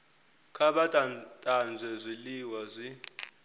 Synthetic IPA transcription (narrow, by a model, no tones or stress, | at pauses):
kʰaɓatʼatʼand͡zʱɛzʷiliwazʷi